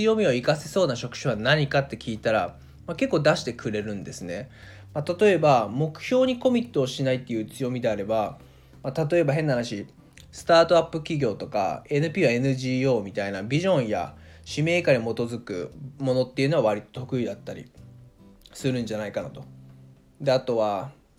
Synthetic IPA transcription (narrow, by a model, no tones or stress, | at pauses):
ɨjo̞mʲioikase̞so̞ːnaɕo̞kɯ̟̥ɕoβanaɲ̟ikat̪ːe̞kʲiːt̪aɾa | make̞kːo̞ːd̪aɕi̥t̪e̞kɯ̟ɾe̞ɾɯ̟̃nd̪e̞sɨne̞ | mat̪at̪o̞e̞bamo̞kɯ̟̥çʲo̞ːɲ̟iko̞mʲit̪ːo̞ːɕinait̪ːe̞jɯ̟ːt͡sɨjo̞mʲid̪e̞aɾe̞ba | mat̪at̪o̞e̞baɦe̞nːahanaɕi | sɨ̥t̪aːt̪o̞apːɯ̟kʲiɡʲo̞ːt̪o̞ka̰e̞nɯ̟pʲiːβae̞nɯ̟ʑiːo̞ːmʲit̪ainabʲiʑõ̞ɰ̃ja̰ɕime̞ːkaɲʲimo̞t̪o̞zɨkɯ̟̰mo̞no̞t̪ːeiɯ̟no̞aβaɾʲit̪ot̪o̞kɯ̟id̪at̪ːaɾʲḭ | sɨɾɯ̟̃nɲ̟d͡ʑanaikanot̪o̞ | d̪e̞at̪o̞βa